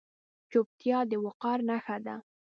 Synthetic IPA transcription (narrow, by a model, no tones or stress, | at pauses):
t͡ʃop̚t̪jɑd̪əwʊqɑɾnaxad̪a